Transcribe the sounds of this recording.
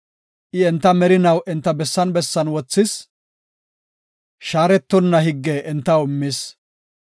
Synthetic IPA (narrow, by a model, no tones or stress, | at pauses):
ʔɪɛnt̪ːɐmɛɾɪnɐwʔɛnt̪ːɐbɛsːɐnbɛsːɐnwɔt͡sːɪs | ʃaːɾɛt̪ːɔnːɐɦɪɡːɛʔːnt̪ːɐwɪmːɪs